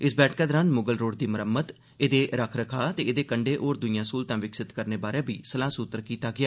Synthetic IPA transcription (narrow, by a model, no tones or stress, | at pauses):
ɪsbɛːʈʰkaːd̪ɾãːnmʊɡəlɾoːɽd̪iːməɾəmət̪ | ed̪eːɾəkʰɾəkʰaːt̪eːed̪eːkəɳɖeːʔoːɾd̪ʊijãːsuːlt̪ãːʋɪksɪt̪kəɾneːbaːɾẽːbiːsəlãːsut̪ːəɾkiːt̪aːɡɪaː